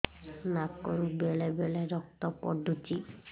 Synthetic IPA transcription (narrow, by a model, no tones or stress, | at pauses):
nakɔɾubeɭebeɭeɾɔk̚t̪ɔpɔ̰ɖut͡ʃi